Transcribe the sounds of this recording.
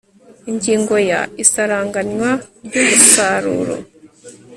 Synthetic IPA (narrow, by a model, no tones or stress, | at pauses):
iɲɟiːŋɡo̞ja̰isaɾaːŋɡaɲwaɾɟoɡusaɾṵːɾo̰